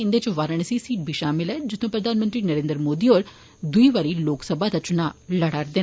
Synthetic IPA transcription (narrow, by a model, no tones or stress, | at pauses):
ɪnd̪eːt͡ʃʋaːɾəɳ̃siːsiːʈ̚bʱiːʃaːmɪlɛːd͡ʒɪt̪ʰːõːpɾəd̪aːnmənt̪ɾiːnəɾeːnd̪ɾmoːd̪iːoːɾ | d̪ʊiːʋaːɾiːloːksəbʱaːd̪ət͡ʃnaːləɽaːɾd̪ɪn